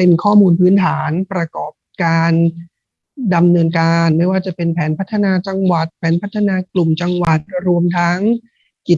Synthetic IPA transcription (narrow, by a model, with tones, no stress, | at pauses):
pe˧nkʰɔː˥˩muː˧npʰɯː˦˥nt̪ʰaː˩˦npɾa˧kɔː˨˩p̚kaː˧n | da˧mnɤː˧nkaː˧nma˥˩jwaː˥˩t͡ɕa˨˩pe˧npʰɛː˩˦npʰa˦˥t̪ʰːa˧naː˧t͡ɕa˧ŋwa˨˩t̪̚pʰɛː˩˦npʰa˦˥t̪ʰːa˧naː˧klu˨˩mt͡ɕa˧ŋwa˨˩t̪̚ɾu˧əmt̪ʰa˦˥ŋ | ki˨˩t̪̚